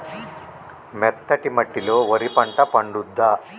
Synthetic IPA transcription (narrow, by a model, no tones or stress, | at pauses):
mɛt̪ʰːɐʈimɐʈːiloːʋɐɾipɐɳʈɐpɐɳɖud̪ːɐ